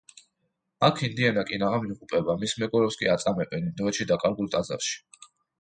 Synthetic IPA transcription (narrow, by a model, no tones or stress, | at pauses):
akʰind̪iɛnakʼinaʁamiuqʼupʼɛbamismɛɡɔɾɛpskʼḭat̪sʼamɛbɛnimd̪ɔɛʃid̪akʼaɾɡulˠt̪ʼaza̰ɾʃi̥